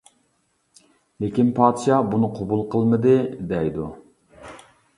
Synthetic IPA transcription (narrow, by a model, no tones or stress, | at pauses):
lekʲinpʰɑːt̪ʃɑbunɨqʰobulˠqʰəlˠmɨd̪ɨd̪ɛjd̪u